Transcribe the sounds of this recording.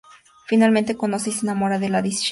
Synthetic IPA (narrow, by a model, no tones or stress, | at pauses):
finalment̪ekonoseis̬enamoɾaðe̞laðisi̥ʃ